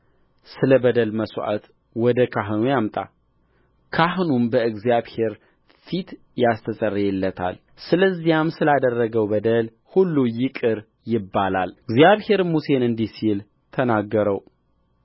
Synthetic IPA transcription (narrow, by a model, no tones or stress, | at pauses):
sɨləbəd̪əlməswʔa̰t̪ | wɔd̪əkʰaɦɨnujamt̪ʼa̰ | kʰahnumbəɨɡzjaβhe̞ɾ | fit̪ | jast̪ʰəsʼərːjɛlːət̪ʰa̰l | sɨləzːijamsɨlad̪ərːəɡəwbəd̪əl | hulːujɪkʼɨɾ | jɪbːalalɨɡzijaβhe̞ɾmuse̞nɨnd̪isil | t̪ʰənaɡːəɾəw